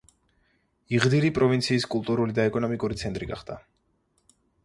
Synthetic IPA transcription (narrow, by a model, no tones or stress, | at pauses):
iʁd̪iɾipʼɾɔvint̪sʰiːskʼulˠt̪ʼuɾulid̪aɛkʼɔnɔmikʼuɾit̪sʰɛnt̪ʼɾiɡa̰χd̪a